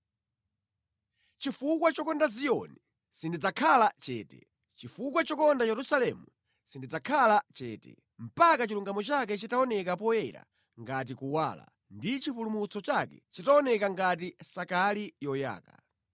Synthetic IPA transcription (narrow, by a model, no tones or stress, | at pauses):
t͡ʃifukwat͡ʃɔkɔndazijɔ̰ni | sindid͡zakʰalat͡ʃɛːtɛ̥̰ | t͡ʃifukwat͡ʃɔkɔndajɛɾusalɛmu | sindid͡zakʰalat͡ʃɛːtɛ̰ | m̩pakat͡ʃiluŋɡamɔt͡ʃak̬ɛt͡ʃitaɔnɛkapɔjɛɾa̰ | ŋɡat̬ikuwa̰ːla̰ | ndit͡ʃipulumut͡sʰɔt͡ʃakɛ̰t͡ʃitaɔnɛkaŋɡat̬isakalijɔja̰ːka